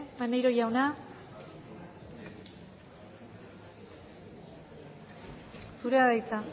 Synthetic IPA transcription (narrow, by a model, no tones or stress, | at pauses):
manejɾo̞ʝawna | suɾeaðajt͡s̪a